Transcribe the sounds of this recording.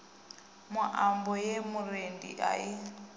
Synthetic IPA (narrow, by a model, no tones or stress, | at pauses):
mʊʔambɔjemʊrendḭʔa̰i